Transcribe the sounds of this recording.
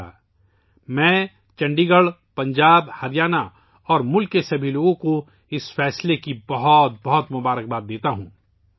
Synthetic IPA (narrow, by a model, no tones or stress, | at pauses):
mɛ̃ː | t͡ʃɐ̃ɳɖiːɡəɭ | pɐ̃ɲd͡ʒaːbhɐɾɪjaːna | ɔːɾmʊlkːesɐbʱiloːɡõko | ɪsfɛːslekibɐɦɔt̪̚bɐɦɔt̪mʊbaːɾək̚baːd̪d̪eːt̪aɦũː